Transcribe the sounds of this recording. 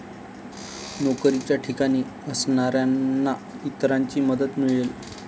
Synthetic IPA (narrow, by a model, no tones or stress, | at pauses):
nokɾit͡ɕjaʈʰikaɽ̃iː | əsɳaɾjanːa | it̪ɾaɲt͡ɕiːməd̪ət̪miɭel